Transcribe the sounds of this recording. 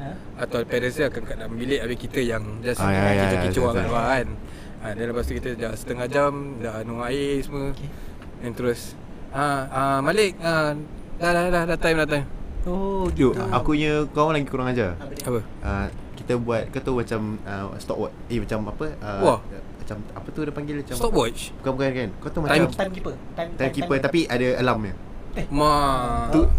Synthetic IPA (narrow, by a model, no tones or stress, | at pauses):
at̪awpɛnənsəakankaʔdaʔmbilɪʔabɪkit̪əjaŋd͡ʒasaajit͡ʃakit͡ʃuwaabaan | adalapast̪ukit̪əd͡ʒasə̥t̪əŋad͡ʒamdanuaesəmə | ɛnt̪əɾʊs | aamalɪʔ̚adadadahdat̪ajmənat̪ajojoʔakuɲəkawaŋlaɡikuɾaŋad͡ʒaapə | ʔəkit̪abuat̪̚kat̪umat͡ʃamə̰st̪ɔ̰ʔ̚wɔ̰t͡ʃemat͡ʃamapəəamat͡ʃamapət̪udapaŋɡɪlmat͡ʃat̪ɔkwɔt͡ʃbukabukankankat̪uhmat̪aamkipət̪at̪amkippət̪apiʔadaalamɲə | mat̪u